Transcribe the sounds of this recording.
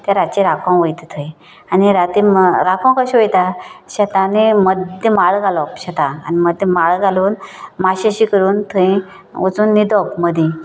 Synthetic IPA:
t̪ãɾat͡ɕeɾakʰãwʋəjt̪t̪ʰəj̃ | aniɾat̪imɾakʰɔ̃w̃kəɕʋəjt̪aɕət̪ãneməd̪ʱjəmaɭɡʱalɔpɕat̪ãa̰niməd̪ʱjəmaɭɡaluːnmaɕaɕikəɾuːnt̪ʰəĩ | ət͡suːnːid̪ɔpməd̪ʱjĩ

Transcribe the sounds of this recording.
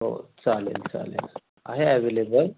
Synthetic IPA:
o̰t͡salḛlt͡sa̰lḛl | a̰ɦeɛʋelebəl

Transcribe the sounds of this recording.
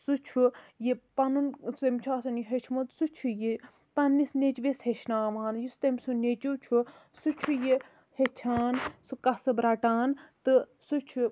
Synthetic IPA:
sut͡ʃʰujipɐnunst̪emʲt͡ʃʰaːsɐniɦet͡ʃʰmot̪sut͡ʃʰuji | pɐnːisnet͡ʃʋesheʃnaːʋaːnjist̪emʲsunet͡ʃut͡ʃʰu | sut͡ʃʰuji | het͡ʃʰaːnsukɐsɨbɾɐʈaːnt̪ɨ | sut͡ʃʰu

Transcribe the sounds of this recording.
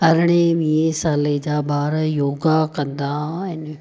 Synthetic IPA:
ɐɾɪɽ̃eʋiẽsaːled͡ʑaːbaːɾəjoːɡakɐ̃nd̪aɦɪn

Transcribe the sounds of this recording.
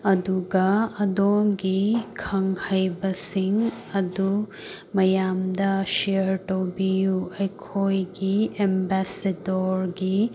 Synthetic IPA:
ɐd̪uɡɐɐdomɡikʰɐŋhɐjbɐsiŋ | ɐd̪u | mɐjamd̪ɐʃijɐɾʈowbijuɐjkʰojɡiembɛsedoɾɡi

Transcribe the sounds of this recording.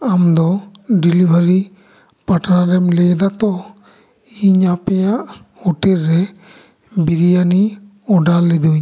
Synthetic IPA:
amd̪ɔɖilibʱaɾi | paʈɾaɾɛmlɛd̪at̪ɔ | iɲapɛjaʔhɔʈɛɾːɛ | biɾijani | ɔɖalːɛd̪uɲ

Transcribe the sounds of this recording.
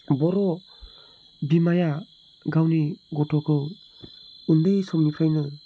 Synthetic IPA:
bɔɾɔ | bimaja | ɡawniɡɔtʰɔkʰɯ | undɯjsɔmnipʰɾajnɯ

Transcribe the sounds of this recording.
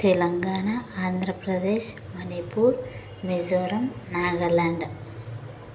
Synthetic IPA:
t̪ɛlɐŋɡaːɳaaːnd̪ʱɾɐpɾɐd̪eːʃ | mɐnipuːɾ | med͡ʒoːɾɐmnaːɡɐlaːɳɖ

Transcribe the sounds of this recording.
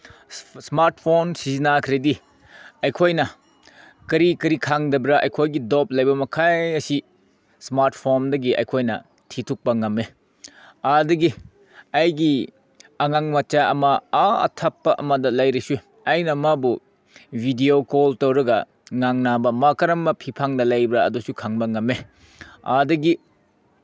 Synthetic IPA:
smaɾt̚ʰpʰonsizinakʰɾedi | ɐjkʰojnɐ | kɐɾikɐɾikʰaŋdɐbɾɐʔɐ̰jkʰojɡidop̚lɐjbɐmɐkʰajɐsi | smaɾtʰpʰondɐɡiʔɐ̰jkʰojnɐ̰ | tʰitʰuk̚pɐŋɐme | adɐɡi | ɐjɡi | ɐŋaŋmɐt͡ʃaɐmɐaɐ̰tʰɐpːɐʔɐ̰mɐdɐlɐjɾisu | ɐjnɐmabu | bʱidiokoltɐwɾɐɡɐ̰ | ŋaŋnabɐmakɐɾɐmːɐpʰipʰaŋdɐlɐjbɾɐɐ̰dusukʰaŋbɐŋɐme | a̰dɐɡi

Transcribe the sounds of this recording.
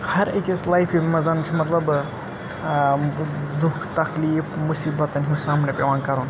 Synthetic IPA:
hɐɾekeslaːjfimɐzɐnt͡ʃʰimɐt̪lɐb | d̪ʊkʰt̪ɐxliːfmʊsiːbɐt̪ɐnɦisaːmnepeʋaːnkɐɾuːn

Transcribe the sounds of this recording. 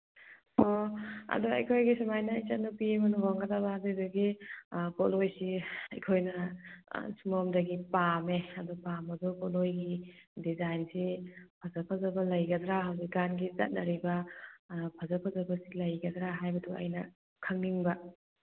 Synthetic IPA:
ɔɐ̰duɐ̰jkʰojɡisumajnɐːjt͡ʃɐt̚nupiemɐnɔwaŋɡɐtabaadudɐɡibɔlojsiɐjkʰojnɐ | sumomdɐɡipameɐdupamɐdukɔlojɡidizajnsipʰɐzɐpʰɐzɐbɐlɐjɡɐdɾaɦawziɡanɡizɐ̰t̚nɐɾibɐ | pʰɐzɐpʰazɐbɐsilɐjɡɐdɾaɦajbɐduɐ̰jnɐ | kʰɐŋniŋbɐ

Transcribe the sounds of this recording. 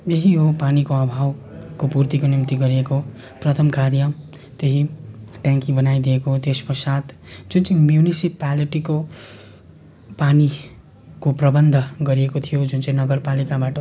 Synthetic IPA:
jeɦiɦopanikoʌbʱawkopurt̪ikonimt̪iɡʌɾieko | prʌt̪ʰʌmkarjʌ | t̪eɦiʈjãŋkĩŋbʌnajd̪iekot̪espʌsat̪ʰ | d͡zunt͡sʌ̃j̃mjunisipaliʈiko | pani | koprʌbʌnd̪ʱʌɡʌɾiekot̪ʰijod͡zunt͡sʌ̃ĩnʌɡʌrpalikabaʈʌ

